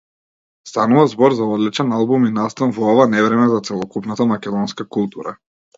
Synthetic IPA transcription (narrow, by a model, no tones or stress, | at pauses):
st̪anuvazbɔɾzaɔd̪lit͡ʃɛnalˠbuminast̪anvɔɔvanɛvɾɛmɛzat̪sɛlˠɔkupnat̪amakʲɛd̪ɔnskakulˠt̪uɾa̰